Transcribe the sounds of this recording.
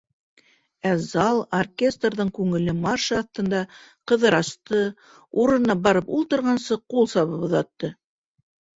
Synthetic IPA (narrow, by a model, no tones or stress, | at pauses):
æzɑlˠorkʲe̞st̪rðɤɴkʉŋɘ̆lɘmɑrʃɑːθt̪ɤ̆nd̪ɑqɤ̆ðɤɾɑst̪ɤ | uɾɤ̆nɑbɑɾɤpulˠt̪ɤ̆ɾʁɑnsɤqulˠsɑβɤpŏðɑt̪ːɤ